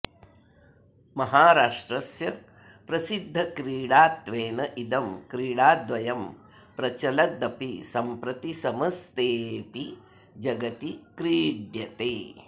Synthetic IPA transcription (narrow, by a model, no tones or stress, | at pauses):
mɐɦaːɾaːʂʈɾɐsjɐ | pɾɐsid̪ʱːɐkɾiːɽaːt̪ʋeːnɐʔid̪ɐmkɾiːɽaːd̪ʋɐjɐm | pɾɐt͡ʃɐlɐd̪ɐpisɐmpɾɐt̪isɐmɐst̪eːpi | d͡ʒɐɡɐt̪ikɾiːɖjɐt̪eː